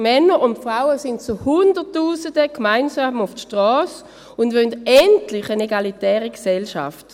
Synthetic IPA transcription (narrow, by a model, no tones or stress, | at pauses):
mɛnəʁʊntfʁaʊəsɪntt͡suhʊndətːuːsədəkmaɪnsaːmʊfʃtʁɔːs | ʊndʋœndɛntlɪχəneɡalitɛːʁiɡsɛlʃa̰ft